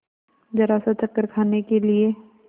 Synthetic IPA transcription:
d͡ʒɐɾaːsat͡ʃɐkːəɾkʰaːnekelie

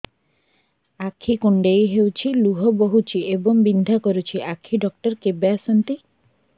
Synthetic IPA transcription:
akʰːikuɳɖejɦewt͡ɕʰiluɦɔboɦut͡ɕʰieboŋbind̪ʱakoɾut͡ɕʰiʔakʰːiɖɔk̚ʈɔɾkebeasant̪i

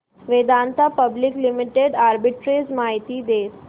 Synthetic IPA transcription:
ʋed̪ant̪ʰapəbliklimiʈeɖaɾbiʈɾezmaɦit̪id̪eːs

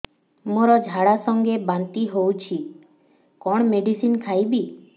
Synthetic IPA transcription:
moɾɔd͡ʒʱaɽasɔŋɡebant̪iɦowt͡ʃʰi | kɔɽ̃meɖisinkʰajbi

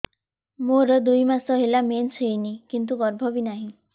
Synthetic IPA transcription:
moɾəd̪ujmasɔɦelamensejnikint̪̬uɡɔɾbʱɔʋiːnaɦi

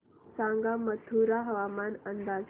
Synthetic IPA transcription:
sãŋɡamət̪ʰuɾaɦəʋamanənd̪ad͡z

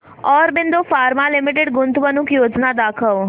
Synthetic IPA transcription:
ɔːɾbɪnd̪ofaːɾmalɪmɪʈeɖɡʊ̃nt̪ʋənʊkjoːd͡ʒnad̪aːkʰəʋ

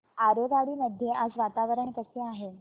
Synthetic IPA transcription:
aɾoɡaɽiːməd̪ʱjeʔad͡zʋat̪aʋəɾəɳkəseaɦe

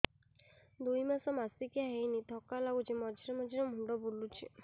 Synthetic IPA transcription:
d̪ujmasɔmasikijaɦejnit̪ʰɔkalaɡut͡ʃʰimɔd͡ʒʱiɾɛmɔd͡ʒʱiɾɔmʱuɳɖɔbulut͡ʃʰḭ

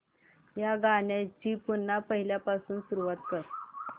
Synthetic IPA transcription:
jaɡaɳjãt͡ɕiːpunːapəɦiljapasuːnsuɾuʋat̪kəɾ

